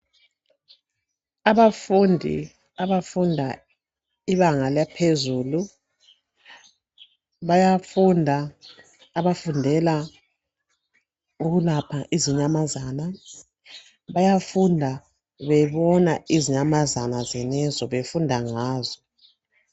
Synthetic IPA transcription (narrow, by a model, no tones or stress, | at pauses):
aβafundʱḭ | aβafundʱa | iβaŋaljapʰezuːlu | βajafundʱaː | βafundʱɛla | uɣulapʰaʔiziɲamazana | βajafundʱa | βɛβɔnaiziɲamazanazɛnɛzɔβefundʱaŋaːzɔ